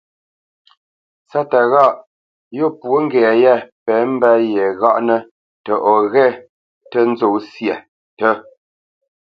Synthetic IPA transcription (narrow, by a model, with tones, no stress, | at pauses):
sa˦ta˨ɣa˦˨ʔ | jo˦˨pwo˦ŋ̩˦ɡɛ˨jɛ˦˨pɛ˨˦m̩˦ba˦jɛ˨ɣa˦ʔnə˦ | tə˨ʔɔ˨ɣɛ˦ | tə˦n̩˦zo˨sjɛ˨ | tə˦